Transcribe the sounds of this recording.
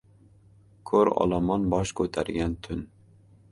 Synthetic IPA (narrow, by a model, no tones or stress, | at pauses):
kʰɵɾɒ̰lˠɑmɒnbɒʃkʰɵt̪ʰaɾɡʲant̪ʰʊn